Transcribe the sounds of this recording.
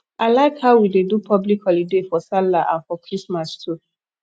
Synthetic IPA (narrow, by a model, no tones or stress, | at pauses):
aɪlaɪkhaʊwidedupʰɔblikhɔlidefɔsalaʔã̰nfɔkʰɹismastʰu